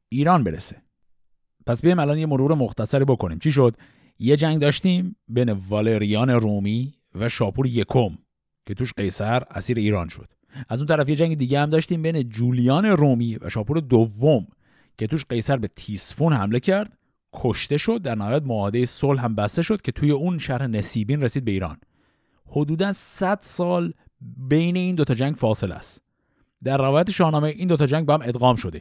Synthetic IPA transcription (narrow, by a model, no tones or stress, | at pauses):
ʔiːɾɒːnbe̞ɾḛse | pʰæsbeimælɒːnjemoɾuɾe̞moxt̪æsæɾiːbo̞kʰoniːmt͡ʃʰiʃ̬o̞d̪̥ | je̞d͡ʒæŋɡd̪ɒːʃt̪iːmbejne̞vɒle̞ɾijɒːne̞ɾuːmi | væʃɒːpʰuːɾeje̞kʰo̞m | cʰe̞t̪uːʃɢe̞jsæɾæsiːɾe̞iːɾɒːnʃo̞̰d̪̥ | ʔæzunt̪ʰæɾæfje̞d͡ʒæŋɟed̪iːɟehæmd̪ɒːʃt̪iːmbejned͡ʒuːlijɒːne̞ruːmiːvæ̰ʃɒːpuːɾed̪ovːom | cʰe̞t̪uːʃɢe̞jsæɾbe̞t̪ʰiːsfunhæmle̞cʰæɾd̪̥ | kʰoʃt̪e̞ʃo̞d̪̚ːæɾnæhɒːjæt̪̚moɒːed̪ejesolɦæmbæst̪e̞ʃo̞d̪̥̚cʰe̞t̪ʰuːje̞unʃæɾhe̞nesiːbiːnresiːd̪̚be̞iːɾɒ̰ːn | hod̪uːd̪ænsæd̪̥sɒːl | be̞jne̞iːnd̪ot̪ʰɒːd͡ʒæɲɟfɒːse̞læ̰st̪ | d̪æɾːævɒːjæt̪ʰeʃɒːhnɒːmeʔiːnd̪ot̪ʰɒːd͡ʒæŋɟ̚bɒːhæme̞d̪ɣɒːmʃo̞d̪e̞̰